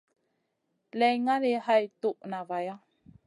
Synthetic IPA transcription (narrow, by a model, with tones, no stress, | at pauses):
lɛ˨jŋa˦le˨ha˦jtu˦˨ʔna˨va˨ja˦